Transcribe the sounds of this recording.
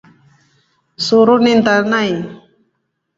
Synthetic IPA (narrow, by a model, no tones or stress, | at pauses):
suɾunint̪anaj